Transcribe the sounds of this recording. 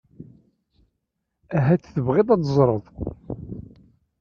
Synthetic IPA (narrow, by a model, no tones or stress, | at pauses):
æɦæt͡sːθəvʁeðˤɑt̪zˤɾˤəðˤ